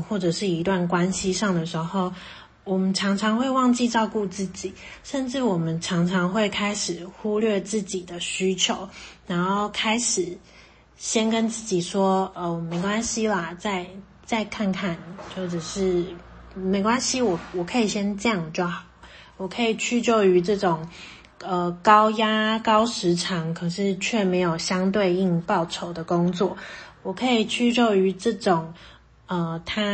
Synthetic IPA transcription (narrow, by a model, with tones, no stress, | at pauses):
xwɔ˥˩ʈ͡ʂɤ˨˩ʂɻ̩˥˩i˧˥t̪wa˥˩nkwa˥nɕi˥ʂɑ˥˩ŋd̪ə˩ʂɻ̩˧˥xo˥˩ʊ | wɔ˨˩mə˦nʈ͡ʂʰɑ˧˥ŋʈ͡ʂʰɑ˧˥ŋxwe˥˧ɪwɑ˥˧ŋt͡ɕi˥˧ʈ͡ʂɑ˥˧ʊku˥˧t͡sɹ̩˥˩t͡ɕi˨˩˦ʂə˥˧nʈ͡ʂɻ̩˥˩wɔ˨˩mə˦nʈ͡ʂʰɑ˧˥ŋʈ͡ʂʰɑ˧˥ŋxwe˥˩ɪkʰa˥ɪʂɻ̩˨˩xu˥lɥɛ˥˧t͡sɹ̩˥˩t͡ɕi˨˩d̪ə˦ɕy˥t͡ɕʰjo˨˧˦ʊna˧˥nxo˥˩ʊkʰa˥ɪʂɻ̩˨˩ | ɕjɛ˥nkə˦nt͡sɹ̩˥˩t͡ɕi˨˩ʂwɔ˥ə˥˩me˨˥ɪkwa˦˥nɕi˥lə˨t͡sa˥˧ɪ | t͡sa˥˧ɪkʰa˥˧nkʰa˥˩nt͡ɕjo˥˩ʊʈ͡ʂə˨˩ʂɻ̩˥˩ | me˧˥ɪkwa˥nɕi˥wɔ˨˩wɔ˨˩kʰɤ˧˥i˨˩ɕjɛ˥nt͡ɕjɑ˥˧ŋ˨˩t͡ɕjo˥˩ʊxɑ˨˦˩ʊ | wɔ˨˩kʰɤ˧˥i˨˩t͡ɕʰy˥t͡ɕjo˥˧ʊy˧˥ʈ͡ʂɤ˥˩ʈ͡ʂʊ˨˩ŋ | ə˧kɑ˥ʊja˥kɑ˥ʊʂɻ̩˧˥ʈ͡ʂʰɑ˧˥ŋkʰɤ˨˩ʂɻ̩˥˩t͡ɕʰɥɛ˥˩me˧˥ɪjo˨˩ʊɕjɑ˥ŋt̪we˥˧ɪi˥˧ŋpɑ˥˩ʊʈ͡ʂʰo˨˩ʊd̪ə˦kʊ˥ŋt͡swɔ˥˩wɔ˨˩kʰɤ˧˥i˨˩t͡ɕʰy˥t͡ɕjo˥˧ʊy˧˥ʈ͡ʂɤ˥˩ʈ͡ʂʊ˨˩ŋ | ə˧˩t̪ʰa˥